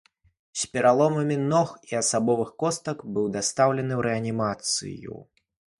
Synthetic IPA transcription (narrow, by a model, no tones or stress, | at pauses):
sʲpʲɛɾalˠɔmɐmʲinɔxiɐsabɔvɨxkɔst̪ɐkbɨwd̪ast̪awlʲɛnɨwɾʔɛɐnʲimat̪sɨ̰jṵ